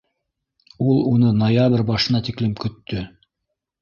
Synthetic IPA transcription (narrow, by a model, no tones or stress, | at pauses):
ulˠunɤnojaβrʲbɑʃɤ̆nɑt̪iklɘmkɵ̆t̪ːɵ